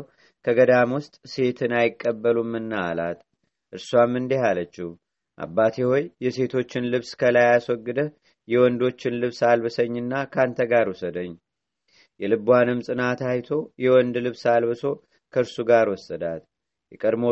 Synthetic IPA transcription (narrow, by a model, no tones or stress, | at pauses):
kʰəɡəd̪amwʊst̪ʼse̞t̪ʰɨnajɪkʼːəbːəlumːɨnːaala̰t̪ | ʔɨɾsuwamːɨnd̪ihalət͡ʃːih | ʔa̰bːat̪ʰeho̞jːɛse̞t̪ʰo̞t͡ʃːɪnlɨβskʰəlajaswɔɡːɨd̪ə | jɛwɔnd̪o̞t͡ʃːɪnlɨβsalbɨsəɲːɨnːakʰant̪ʰəɡaɾusəd̪əɲː | jɛlɨbuwanɨmsʼɨnat̪ajt̪ʰo̞jɛwɔnd̪lɨβsalbɨso̞ | kʰəɨɾsuɡaɾwɔsʼəd̪at̪ | jɛkʼəd̪mo